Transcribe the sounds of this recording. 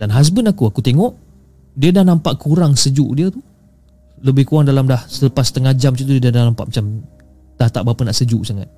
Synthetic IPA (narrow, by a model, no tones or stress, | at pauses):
danɦas̬bənakuakut̪eŋɔʔ | diədahnampaʔkuɾaŋsəd͡ʒṵʔdiat̪u | ləbɪhkuaŋdalamdahsələpast̪əŋad͡ʒamtut̪udiədadahnampa̰ʔmat͡ʃam | d̥at̪aʔbapanaʔsəd͡ʒuʔsaŋa̰t̪̚